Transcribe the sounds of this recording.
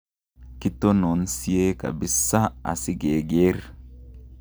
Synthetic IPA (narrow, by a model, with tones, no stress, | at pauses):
ki˦to˦no˨nsi˦e˦ka̰˨bi˦sa˦a̰˨sɪ˦ɡe˨ɡe˦r